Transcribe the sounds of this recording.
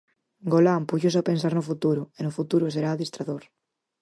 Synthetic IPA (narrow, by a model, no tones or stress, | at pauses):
ɡolampuʝos̬apens̬aɾnʊfut̪uɾʊenʊfut̪uɾʊseɾaːðist̪ɾaðoɾ